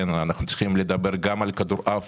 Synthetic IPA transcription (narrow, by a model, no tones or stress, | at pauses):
enanaχnut͡si̥χimled̪abeʁɡamalkad̪uʁʔaf